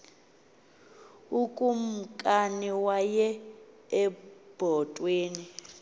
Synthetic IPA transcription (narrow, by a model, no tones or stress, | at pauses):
ukʼum̩kʼaniwajɛː | b̥ʱɔtʼweːni